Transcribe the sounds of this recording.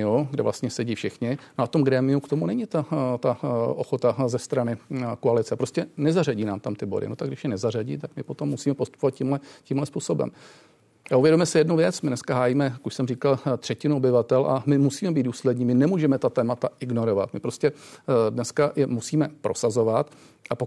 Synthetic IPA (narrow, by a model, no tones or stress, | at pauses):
ɪuɡdɛ̰vlast̪ɲɛsɛɟiːfʃɪxɲɪnoʔaft̪o̞mɡɾɛːmɪukt̪o̞munɛɲɪt̪at̪aʔoxot̪azɛst̪ɾanɪkoalɪt͡sɛpɾo̞scɛnɛzaraɟiːnaːmt̪amt̪ɪbo̞̰dɪ̰not̪aɡdɪʃjɛnɛzar̝aɟḭːt̪akmɪpo̞t̪o̞mːusiːmɛpost̪u̥povat̪̚ciːmlɛciːmɦlɛspuːsobɛ̰m | aʔuvjɛdomɛsɪjɛdnuvjɛt͡smɪdnɛskaɦaːjiːmɛjakuʃsɛmriːkalt̪r̝̥ɛcɪnuobɪvat̪ɛlʔa̰mɪmusiːmɛbid̪duːslɛdɲiːmɪnɛmuːʒɛmɛt̪at̪ɛːmat̪aʔɪɡno̞ɾo̞va̰t̪mɪpɾo̞scɛdnɛskajɛmusiːmɛpɾo̞sazo̞vat̪ | ʔapo